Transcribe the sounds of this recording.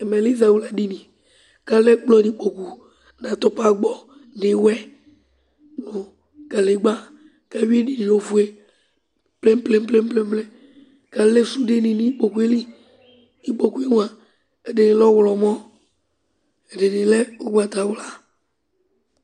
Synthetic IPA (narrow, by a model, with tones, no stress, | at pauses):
e˨me˨li˦za˨wu˨la˨ɖi˦nĩ˨ | ka˦lɛ˦k͡plɔ˦nĩ˨k͡po˨ku˨ | nã˨t̪ɔ˦pa˦ɡ͡bɔ˨ | ne˨wɛ˦ | no˨ | ka˨le˨˦ɡ͡ba˦ | ka˦wi˦e˦ni˨ni˨o˨vu˦e˦ | ple˦m˦ple˦m˦ple˦m˦ple˦m˦ble˦ | ka˨le˦su˦de˦nĩ˨nĩ˦k͡po˨ku˦e˦li˦ | i˦k͡po˨ku˦e˦ŋũ˦a˨ | e˨de˨nĩ˨lɔ˦wlɔ˨mɔ̃˦ | e˨de˨nĩ˨lɛ˦o˦ɡ͡ba˨t̪a˨wla˨